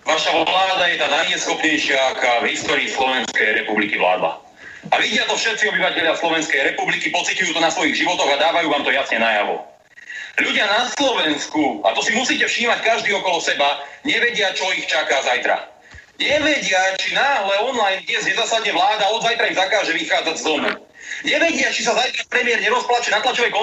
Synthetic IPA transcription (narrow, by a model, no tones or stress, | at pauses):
ʋaʃalaːd̪ajɛt̪aːnajɲɛsxɔpɲɛjʃɪaakaːvɦist̪ɔːɾiːslɔʋɛnskɛjɾɛpublikiʋla̰ːd̪la̰ | aʋiɟɪat̪ɔfʃɛt̪̚t͡siɔbiʋacɛʎɪaslɔʋɛnskɛjɾɛpublikipɔt͡sicujuːt̪ɔnasʋɔiɣʒiʋɔt̪ɔɣad̪aːʋajuːʋaːmt̪ɔjasɲɛnaja̰ʋɔ̰ | ʎuɟɪanaslɔʋɛnskua̰t̪ɔsimusiːcɛfʃiːmackaʒd̪iːɔkɔlɔsɛbaɲɛʋɛɟɪat͡ʃɔixt͡ʃakazajt̪ɾa̰ | ɲɛʋɛɟɪat͡ʃinaːɦlɛɔnlajnt̪ɪɛzɲɛzaːsad̪ɲɛʋlaːd̪aɔd̪zajt̪ɾaimzakaːʒɛʋixaːd͡zaɟzd̪ɔnṵ | ɲɛʋɛɟɪat͡ʃis̬azajt̪ɾapɾɛmɪɛɾɲɛɾɔsplat͡ʃɛnat̪lat͡ʃɔʋɛjkɔ